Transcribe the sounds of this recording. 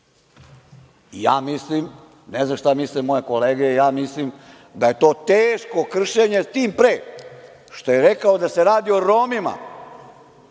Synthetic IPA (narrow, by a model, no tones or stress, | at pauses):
ijaːmislim | nezaʃt̪amislemoje̞ko̞leːɡejaːmislim | d̪aje̞t̪o̞ːt̪eːʃko̞kr̩ʃeɲe̞st̪iːmpɾeː | ʃt̪o̞je̞ɾekaod̪ase̞ɾaːd̪io̞ɾomima̰